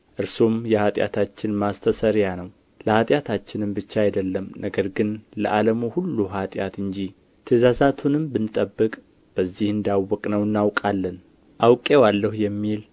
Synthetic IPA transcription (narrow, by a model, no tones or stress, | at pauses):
ʔɨɾsomjɛhat̪ʼja̰t̪ʰat͡ʃːɪnmast̪ʰəsəɾjanəw | ləhat̪ʼjat̪ʰat͡ʃːɪnɨmbɨt͡ʃːaajd̪əlːəmnəɡəɾɡɨnlə̰ʔaləmuhulːuɦat̪ʼjat̪ɨnd͡ʒi | t̪ʰəzazat̪ʰunɨmbɨnːɨt̪ʼəbːɨkʼ | b̥əzːihɨnd̪awːɔkʼnəwɨnːawkʼalːən | ʔawkʼewalːəhjɛmːil